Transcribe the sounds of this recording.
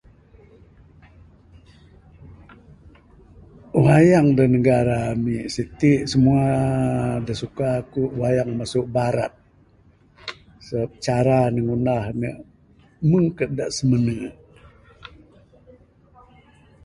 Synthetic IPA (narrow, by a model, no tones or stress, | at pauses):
wajaŋdanəɡaɾamiʔsit̪iʔsəmua | dasukakuʔwajaŋmasuʔbaɾa̰t̪̚ | səp̚t͡ʃaɾanəŋunahnə̰ʔ | məŋkədaʔsəmənə